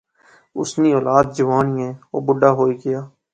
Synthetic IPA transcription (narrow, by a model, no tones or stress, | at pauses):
ʊ̰sniːoːlaːd̪̚d͡ʒəʋaːniːɛ̃ːoːbʊɖaːɦoːiːɡɪjaː